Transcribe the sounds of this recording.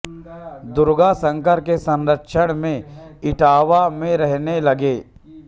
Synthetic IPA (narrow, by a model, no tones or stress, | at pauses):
d̪ʊɾɡasə̃ŋkəɾkesə̃nɾəkʃəɽ̃mẽɪʈaːʋamẽɾɛɦnelɐɡeː